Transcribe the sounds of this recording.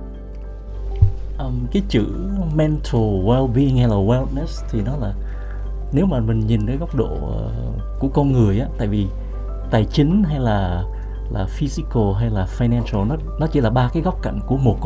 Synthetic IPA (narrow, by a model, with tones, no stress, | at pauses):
ʔəː˨˩mkaː˨˦jt͡ɕɨ̰˧˩˨mɛ˧nt̪ʰo˨˩wɛ˧lɓi˧i˧ŋha˧jlaː˨˩wɛ˧ltnɛ˦˥st̪ʰi˨˩nɔ˨˦laː˨˩ | ne˨˦wmaː˨˩mï˨˩ŋ̟ɲi˨˩nkaː˨˦jɣɔ˦˥wk͡p̚ɗo̰˧˨ə̰˨˩ | ku˧˩əkɔ˧nŋɨ˨˩əjʔaː˨˦t̪a̰ː˧˨jvi˨˩ | t̪aː˨˩jt͡ɕï˨˦ŋ̟ɦa˧jlaː˨˩ | laː˨˩fi˧zi˧ko˨˩ɦa˧jlaː˨˩faː˧jnɛ˧nsə˧lnɔ˨˦ | nɔ˨˦t͡ɕḭ˧˩˦laː˨˩ɓaː˧kaː˨˦jɣɔ˦˥wk͡p̚ka̰˧˨ŋku˧˩əmo˨˩t̚